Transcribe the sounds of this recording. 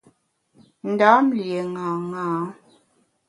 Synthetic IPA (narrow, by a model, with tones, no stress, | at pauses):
n̩˨daː˨˦m̩˦lje˨ŋaː˨ŋaː˨˦